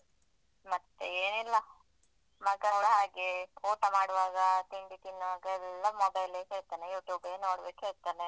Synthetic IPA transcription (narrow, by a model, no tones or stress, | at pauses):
mɐt̪ːeeːnilːɐ | mɐɡɐːɽɦaːɡekoːʈɐmaːɽʋaːɡɐt̪iɳɖit̪inaːɡɐɛlːɐmɔbɐjleːɦeːɭt̪aːnejuːʈjuːbeːnoːɽbeːkɦeːɭt̪aːne